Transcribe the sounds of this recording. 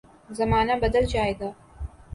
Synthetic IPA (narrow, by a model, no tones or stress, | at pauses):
zɐmaːnɐbɐd̪ɐld͡ʒaːjd̪ɐ